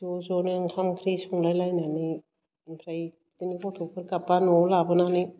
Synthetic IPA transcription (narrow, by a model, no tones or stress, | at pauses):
zozɔniaŋkʰamkʰɾisuŋlajlajnani | pʰɾaj | tinikʰotʰukʰɯɾkapːanɔlabɯnani